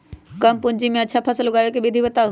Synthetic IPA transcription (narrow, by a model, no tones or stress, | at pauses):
kɐmpʊ̃ɦɪ̃ɲd͡ʑimẽɐʃʰapʰɐsəlʊɡaːjokeɓed̪ʱiʋɐt̪a